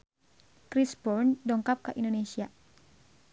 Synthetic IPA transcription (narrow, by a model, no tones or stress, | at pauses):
kɾisbɔrndɔŋkap̚kaʔindonesia